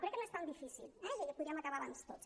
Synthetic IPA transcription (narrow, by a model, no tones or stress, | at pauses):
kɾɛkːəmest̪alˠd̪ifisḭlɛʒeʎapuðɾiəmakaβaβanst̪ot̪s